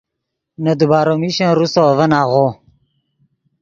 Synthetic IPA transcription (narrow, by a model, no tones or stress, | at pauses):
nɐd̪ubaːɾomiɕãnɾusovɐnaʁo